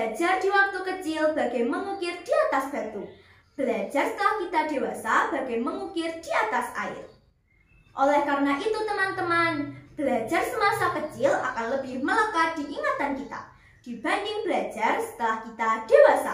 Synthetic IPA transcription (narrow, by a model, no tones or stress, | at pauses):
bəad͡ʒard̪̥iwak̚t̪ukət͡ʃɪlb̥a̤ɡajməŋukɪrd̥iat̪asb̥a̤t̪u | b̥əlad͡ʒarsə̥t̪əlahkit̪ad̥e̤wasab̥a̤ɡ̥ajməŋukɪrd̪̥iat̪asa̰ɪ̰r | ʔolɛhkaɾənaʔit̪ut̪əmant̪əmanb̥əlḁd͡ʒarsəmasakət͡ʃɪla̰kanləbɪhmələkad̪̥iʔiŋat̪ankit̪a̰ | d̥i̤b̥a̤nd͡ʒɪŋb̥əlḁd͡ʒarsə̥t̪əlahkit̪ad̥e̤wasa̰